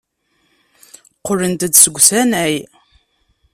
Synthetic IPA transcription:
qːʊɾənt̪əd̪səɡʷsænæj

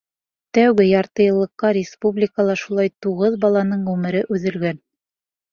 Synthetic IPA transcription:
t̪æwɡɘjɑɾt̪ɤ̆jɤ̆lˠːɤ̆qːɑɾʲɪspublʲɪkəlˠɑʃulˠɑjt̪uʁɤðbɑlˠɑnɤɴʁʉmɘ̆ɾɘʔʉðɘ̆lɡæn

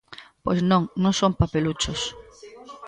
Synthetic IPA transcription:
pojznõŋnõŋsoŋpapelut͡ʃʊs

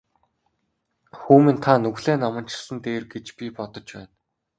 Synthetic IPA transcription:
xuːmĭnt̪ʰanɵɣɮeːnɔmə̆nt͡ɕɪ̥̆ɮə̆nt̪eːrɡet͡ɕpʲipɔt̪ɞ̆t͡ɕpæːn

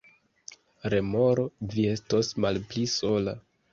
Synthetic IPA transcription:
ɾe̞mo̞ɾo̞vie̞stosmalpliso̞la

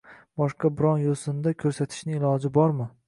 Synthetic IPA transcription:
b̥ɒʃqɑbɪɾɒnjosɪnd̪akʲʰɵɾsat̪ʰɪ̥ʃnɪɪlˠɒd͡ʒɪbɒɾmɪ

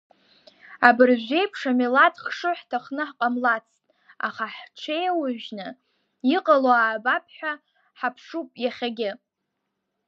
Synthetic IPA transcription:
abɨrʒʷᶣe̞jpʰʂamilatχʂɨħtʰaχnɨħqʼamlat͡sʰtʼ | a̰χaħt͡ʃʷʰejawaʒnɨ | iqʼaloaːbapʰħʷᶣa | ħapʰʂupʼjaχʲaɡʲɪ

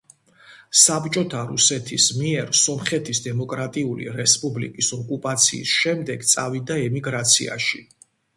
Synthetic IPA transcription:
sabt͡ʃʼɔt̪ʰaɾṵsɛt̪ʰismiɛɾsɔmχɛt̪ʰisd̪ɛmɔkʼɾat̪ʼiulḭɾɛspʼublḭkʼisɔkʼupʼat̪sʰḭːsʃɛmd̪ɛɡt̪sʼavid̪aɛmiɡɾat̪sʰḭa̰ʃi

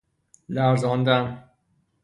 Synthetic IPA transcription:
læɾzɒnd̪æm

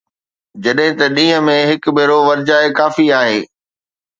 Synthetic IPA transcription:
d͡ʑɐɗɦɪ̃t̪ɐɗĩːɦə̃̆mẽɦɪkbʱeːɾoʋɐɾd͡ʑaːekaːfiaːɦeː

